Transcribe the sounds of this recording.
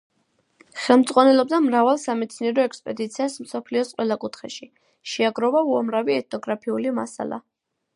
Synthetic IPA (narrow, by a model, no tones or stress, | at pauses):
χɛlˠmd̪zʼʁʼwanɛlɔb̚d̪amɾavalˠsamɛt̪sʰniɛɾɔɛkspʼɛd̪it̪sʰiasm̩sɔpʰliɔsqʼwɛlakʼut̪ʰχɛʃi | ʃɛaɡɾɔvauamɾaviɛt̪̚ʰnɔɡɾapʰiulima̰sa̰lˠa̰